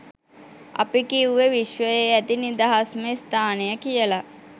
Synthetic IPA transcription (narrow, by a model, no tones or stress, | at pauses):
a̰pikiuʋeʋiʃʋəjeæt̪inid̪aɦasməst̪aːnejəkijəla